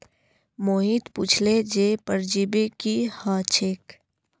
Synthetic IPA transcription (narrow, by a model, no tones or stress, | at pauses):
moːɦit̪puːt͡ʃʰled͡ʒepəɾd͡ʒibekihaːt͡ʃʰek